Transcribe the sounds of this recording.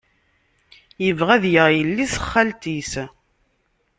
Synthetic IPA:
jəvʁæðjəʁjəlːisə̥χːælt̪is

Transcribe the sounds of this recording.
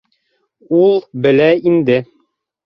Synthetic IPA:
ulˠbɘ̆læind̪ɘ

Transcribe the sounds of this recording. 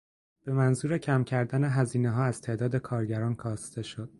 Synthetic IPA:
b̥e̞mænzuːɾe̞cʰæmcʰæɾd̪æne̞ɦæziːneɦɒːæz̥t̪ʰe̞ʔd̪ɒːd̪e̞kʰɒːɾɟæɾɒːnkʰɒːst̪e̞ʃo̞d̪̥̚

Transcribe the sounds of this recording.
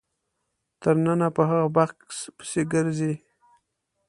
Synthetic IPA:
t̪əɾnanapəɦaɣabaxkspə̥seɡəɾzi

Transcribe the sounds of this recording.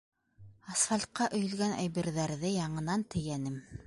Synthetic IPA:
ɐsfalʲt̪̚qɑʔɵ̆jɵ̆lɡænʔæ̰jβiɾðæɾðɘjɑɴɤ̆nɑnt̪ɘ̆jænɘm

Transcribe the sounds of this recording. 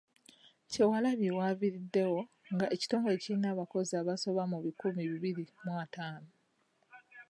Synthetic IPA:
ce̞walaβjewaːviɾidːe̞wo̞ | ŋɡaʔe̞ci̥to̞ːŋɡe̞cinaβako̞ziaβaso̞βamuβikumiβiβiɾimwataːno

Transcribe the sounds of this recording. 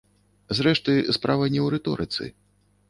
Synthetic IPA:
zɾɛʂt̪ɨspɾavɐnʲɛwɾɛt̪ɔɾɨt̪sɨ̰

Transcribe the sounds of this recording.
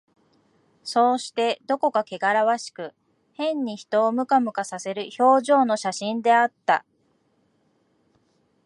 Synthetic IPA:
so̞ːɕi̥t̪e̞d̪o̞ko̞kake̞ɡaɾaβaɕi̥kɯ̟ | hẽ̞ɲ̟ːiçi̥t̪o̞ːmɯ̟kamɯ̟kasase̞ɾɯ̟ço̞ːʑo̞ːno̞ɕaɕĩnd̪e̞at̪ːa̰

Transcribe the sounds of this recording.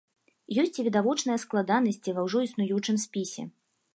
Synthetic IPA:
jɔsʲt͡sʲivʲid̪avɔt͡ʂnɨjɐsklˠad̪anɐsʲt͡sʲivɐwʐɔisnujut͡ʂɨmspʲisʲɛ̰

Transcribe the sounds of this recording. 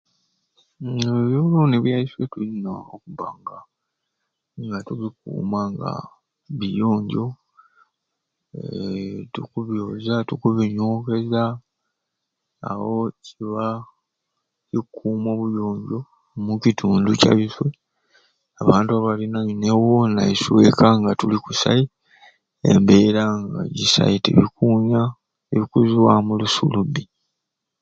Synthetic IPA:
βjoβuluniβwjaiswetulinaokuβa̰ŋɡa | ŋɡatuβikṵːmaŋɡa̰ | βijo̞ːɲɟo̞ | tukuβjoːzatukuβiɲoːke̞za | wo̞ciβa | cikʰːuːmo̞βujoːɲɟo̞ | mucitʰuːnduca̰βifwe | aβaːntuaβalinaɲinewonaiswe̞kaŋɡatulikusa̰i | ḛmbe̞ːɾaŋɡa̰ɟisa̰itḛβikuːɲa | eβikuziwamulusṵlubi

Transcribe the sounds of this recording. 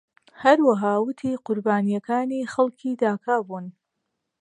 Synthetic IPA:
hɐɾwaɦaːwʊt̪ʰiːqʊɾbaːnijɐkaːniːxɐlˠkʰiːd̪aːkʰaːbuːn

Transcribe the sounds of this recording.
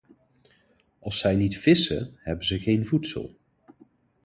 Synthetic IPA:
ɑlˠsɛjnitfɪsə̰ɦɛbəzəɣejnvutsə̰lˠ

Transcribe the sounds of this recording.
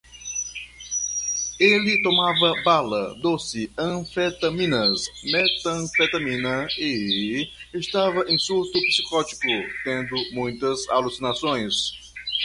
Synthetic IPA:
elɪt̪omavɐbalɐ̰d̪osɪɐ̃fet̪ɐmĩnɐsmɛt̪ɐ̃fet̪ɐmĩnɐɪː | st̪avɐʔẽsuɾt̪ʊpi̥si̥kɔt͡ʃi̥kʊt̪ẽnd̪ʊmũj̃t̪ɐza̰lusinasõj̃s

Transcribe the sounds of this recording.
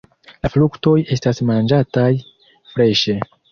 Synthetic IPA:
laflukto̞je̞stasmand͡ʒataj | fɾe̞ʃe̞

